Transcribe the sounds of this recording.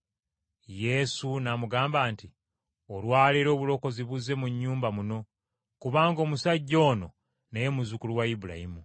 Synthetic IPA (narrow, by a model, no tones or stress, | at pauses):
je̞sunamuɡaːmbaːnti | olwaːliɾo̞ːβulo̞ko̞ziβuze̞muɲːuːmbamuno̞ | kuβaːŋɡo̞ːmusaɟːo̞ːno̞ | nejemuzukuluwaibula̰himu